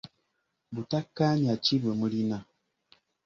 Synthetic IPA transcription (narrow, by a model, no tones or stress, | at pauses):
butakːaniat͡ʃibəməlina